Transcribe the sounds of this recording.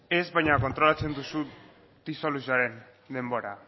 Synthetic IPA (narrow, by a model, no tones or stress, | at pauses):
e̞zβajɲako̞nt̪ɾo̞lat͡se̞nd̪usu | d̪̥iso̞lusiaɾe̞n | d̪e̞mbo̞ɾa